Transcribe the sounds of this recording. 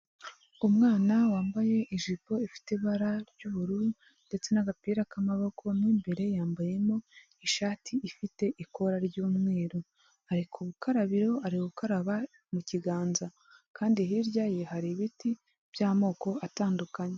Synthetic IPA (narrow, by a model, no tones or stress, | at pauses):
umŋaːnawaːmbaje̞ʔiʒipo̞ifi̥teβaɾaɾɟuβuɾu | nde̞t͡se̞naɡapiːɾakamaβo̞kʰo̞niːmbe̞ɾe̞jaːmbaje̞mo̞ | iʃaːtʰiʔifite̞ʔiko̞ɾaɾɟuːmŋe̞ːɾo | aɾikʰuβukaɾaβiɾo̞aɾiuβukaɾaβa | muciɡaːnza | kʰaːndihiɾɟajehaɾiβiti | b̥jaːmo̞ːko̞ataːndukaɲe̞